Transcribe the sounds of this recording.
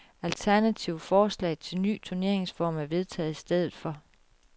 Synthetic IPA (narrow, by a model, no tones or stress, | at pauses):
ælt͡sʰæɐnæt͡sʰiʊfɒːslɛ̰ɪt͡sʰe̝lny̰ːt͡sʰuɐne̝ɐ̰e̝ŋsfɒ̰ːmæɐʋe̝ð̞ˠt͡sʰɛ̰ːð̩ˠisd̥eð̞̰ˠð̩ˠfɒ̽